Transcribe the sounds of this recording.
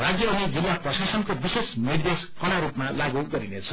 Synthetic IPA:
raɡjʌːnid͡zilːaprʌsasʌnkobisesnird̪eskʌɽ̃aɾupmalaɡuɡʌɾinet͡sʰʌ

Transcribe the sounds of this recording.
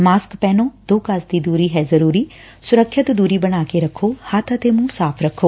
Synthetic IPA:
maːskpɛːnõːd̪oːkəsd̪iːd̪uːɾiːɦɛːzəɾuːɾiː | sʊɾəkʰːjət̪d̪uːɾiːbəɽ̃aːkeːɾəkʰːoːhat̪ət̪eːmũːsaːpʰɾəkʰːoː

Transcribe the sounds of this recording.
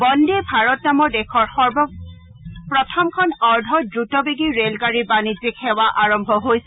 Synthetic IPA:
bɔndebʱaɹɔtnamɔɹdɛkʰɔɹxɔɹbɔ | pɹɔtʰɔmkʰɔnɔɹdʱɔdɹutɔbeɡiɹelɡaɹibanizikʰɛwaʔaɹɔmbʱɔɦojsɛ

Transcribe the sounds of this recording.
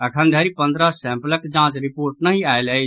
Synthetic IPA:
əkʰənd̪ʱeɾipə̃nd̪ɾəsɛ̃mpləkd͡ʒãt͡ʃɾipoɾʈnəɦiajləjt͡ʃʰ

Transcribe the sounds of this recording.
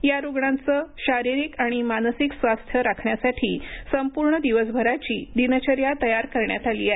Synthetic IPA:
jaɾuɡɳãnt͡səːɕaɾiɾiːkaɽ̃imansiksʋast̪ʰjəɾakʰɳjasaʈʰiːsəmpuɾɳəd̪iʋəsbʱəɾat͡ɕiːd̪inət͡ɕəɾjat̪əjaɾkəɾɳja̰t̪alḭːae

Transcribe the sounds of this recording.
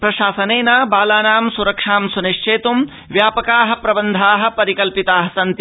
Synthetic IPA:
pɾɐʃaːsɐneːnaːbaːlaːnaːmsuɾɐkʂaːmsuniʂt͡ʃeːt̪um | ʋjaːpɐkaːɦɐ̆pɾɐbɐnd̪ʱaːɦɐ̆pɐɾikɐlpit̪aːɦɐsɐnt̪

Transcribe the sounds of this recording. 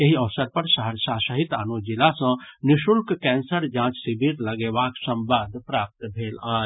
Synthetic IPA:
eɦiɔʋsəɾpəɾʃəɦəɾsaːsəɦit̪a̰ːnod͡ʒɪlasə̃nɪʃʊlkkɛːnsəɾd͡ʒãːt͡ʃsibʱiɾləɡeʋaːksə̃mbaːd̪pɾaːp̚t̪bʱeːlaː

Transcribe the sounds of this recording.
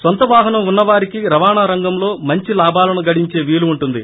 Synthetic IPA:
sʋɐnt̪ɐʋaːɦɐnɐmunːɐʋaːɾikiɾɐʋaːɳaːɾɐŋɡɐmlo̞ːmɐɲt͡ʃilaːbaːlɐnuɡɐɽiɲt͡ʃe̞ːʋiːluːɳʈund̪i

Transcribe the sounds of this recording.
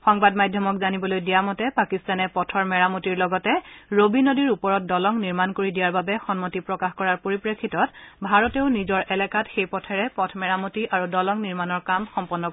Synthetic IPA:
xɔŋbadmajdʱjɔmɔkzanibɔlojdijamɔtɛpakistanɛpɔtʰɔɹmɛɹamotiɹlɔɡɔtɛɹobinodiɹupɔɹɔt̚dɔlɔŋniɹmankoɹidijaɹbabɛxɔnmotipɹɔkaxkɔɹaɹpoɹipɹekʰːitɔtbʱaɹɔteʊnizɔɹʔɛlɛkatxejpɔtʰɛɹɛpɔtʰmɛɹamotiʔaɹudɔlɔŋniɹmanɔɹkamxɔmpɔnːɔk

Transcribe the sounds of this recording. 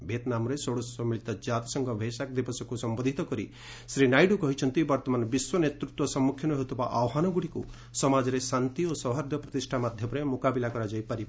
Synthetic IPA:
bʱet̪namɔɾesoɽɔsɔmiɭit̪ɔd͡ʒat̪i̥sɔŋɡʱɔbʱesak̚d̪ibɔsɔkusɔmbɔd̪ʱit̪ɔkɔɾḭ | sɾinajɖukɔɦit͡ʃʰɔnt̪ibɔɾt̪ɔmanbiswɔnet̪ɾut̪wɔsɔmːukʰjɔnɔɦot̪upaʔawɦanɔɡuɽikṵ | sɔmad͡ʒɔɾesant̪iosɔwɦaɾd̪ʱjɔpɾɔt̪isʈʰamad̪ʱjɔpɔɾemukabilakɔɾad͡ʒajpaɾi

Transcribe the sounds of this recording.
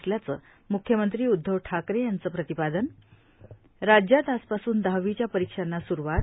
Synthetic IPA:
sljat͡sə | mukʰjəmənt̪ɾiːud̪ʱːəʋʈʰakɾejant͡səːpɾət̪ipad̪ən | ɾad͡ʑjat̪aspasuːnd̪aʋit͡ɕjapəɾikʂanːasuɾuʋat̪̚

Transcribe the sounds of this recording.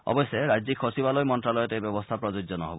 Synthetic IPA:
ɔ̰bɔjseɾajzikʰːosibalɔjmɔntɾalɔjɔtejbɔbɔst̪ʰapɾɔd͡ʒud͡ʒzɔnɔ̰ɦɔ̰bɔ

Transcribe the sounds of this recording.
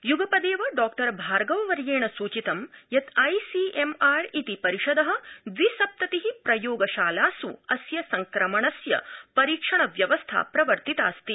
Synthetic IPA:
juɡɐpɐd̪eːʋɐɖaːk̚ʈɐɾbʱaːɾɡɐʋɐʋɐɾjeːɳɐsuːt͡ʃit̪ɐmjɐt̪ʰɐjsiemaːɾit̪ipɐɾiʃɐd̪ɐɦɐ̆d̪ʋisɐp̚t̪ɐt̪iɦipɾɐjoːɡɐʃaːlaːsuɐsjɐsɐŋkɾɐmɐɳɐsjɐ̰pɐɾiːkʂɐɳɐʋjɐʋɐst̪ʰa̰ːpɾɐʋɐɾt̪it̪a̰ːst̪i

